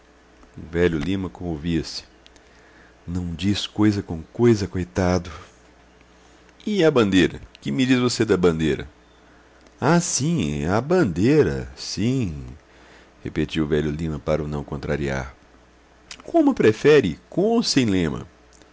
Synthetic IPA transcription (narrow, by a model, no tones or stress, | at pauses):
ʊvɛʎʊlĩmɐkõmoviɐsɪ̥ | nɐ̃w̃d͡ʒiskojzɐkõkojzɐkojt̪ad̪ʊ | ɪɐbɐ̃nd̪ejɾɐ̰kɪmɪd͡ʒizvosed̪ɐbɐ̃nd̪ejɾɐ̰ | asĩabɐ̃nd̪eɾɐ̰sĩ | hepet͡ʃiwʊvɛʎʊlĩmɐpaɾɐʊnɐ̃w̃kõnt̪ɾaɾia̰ɾ | kõmʊpɾefɛɾɪkõmʊsẽj̃lẽmɐ̰